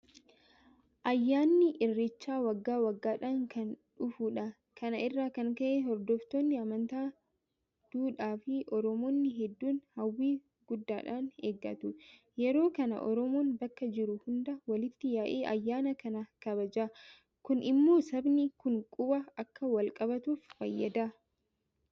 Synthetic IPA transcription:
ʔɐjːaːnːɪʔɪrːɪt͡ʃːaːwɐɡːaːwɐɡːaːᶑaːŋkɐnᶑʊfuːᶑɐ | kʰɐnɐʔɪrːaːkɐŋkɐʔehɔɾd̪oːft̪oːnːɪɐmɐnt̪aː | d̪̥uːᶑaːfɪʔɔɾɔmoːnːɪɦɛd̪ːuːnhɐwːiː | ɡʊd̪ːaːᶑaːnḛːɡːɐ̰t̪ʊ | jɛɾo̞ːkɐnɐ̰ʔɔ̰ɾɔmoːnbɐkːɐd͡ʒɪɾʊhʊnd̪ɐwɐlɪt̪ːɪjaːʔeːʔɐjːaːnɐkɐnɐkɐbɐd͡ʒaː | kʊnʔɪmːo̞ːsɐbnɪkʊŋkʼʊbɐɐkːɐwɐlkʼɐbɐt̪uːffɐ̰jːɐd̪aː

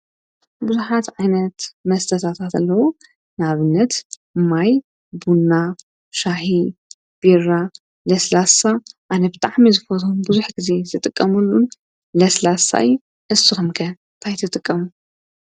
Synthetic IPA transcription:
buzuħat̪ʕajnɐt̪mɐst̪ʰɐt̪ʰat̪ʰat̪ɐlːɐwu | naβɨnːɐt̪ | maj | bunːa | ʃaħi | b̥iɾa | lɐslasaʔanɐbɨt̪ʼaʕmizɨfɐt̪ʰumbuzuħɡɨze̞zɨt̪ʼɨkʼːɐmulːun | lɐslasa̰j | ʔɨsɨxɨmkʰɐ | t̪ʰajt̪ʰɨt̪ʼɨkʼːɐmu

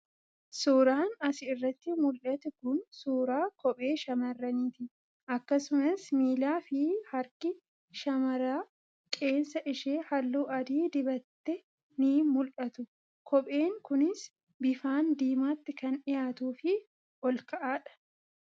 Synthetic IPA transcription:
suːɾaːnɐsɪːrːɐt̪ːɪmʊlʔɐt̪ɪkʊnsuːɾaːkɔpʼe̞ːʃɐmɐrːɐniːt̪ɪ | ʔɐkːɐsʊnɐsmiːlaːfɪhɐɾkɪ | ʃɐmɐɾaː | kʼe̞ːnsɐʔɪʃeːhɐlːuːʔɐd̪iːd̪ɪbɐt̪ːɛ | niːmʊlʔɐt̪ʊ | kʰɔpʼe̞ːŋkʊnɪs | bɪfaːnd̪iːmaːt̪ːɪkɐnɪjaːt̪uːfɪ | ɔlkɐʔaːᶑɐ̥

